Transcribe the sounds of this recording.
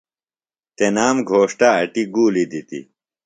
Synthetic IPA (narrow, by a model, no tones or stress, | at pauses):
t̪enaːmɡʱoːʂʈaɐʈiɡuːlid̪it̪ḭ